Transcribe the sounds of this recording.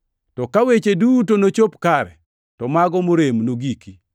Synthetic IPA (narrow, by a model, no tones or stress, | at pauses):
tɔkawet͡ʃedutonot͡ʃopkaɾɛ̰ | tɔmaɡɔmoɾemnoɡiki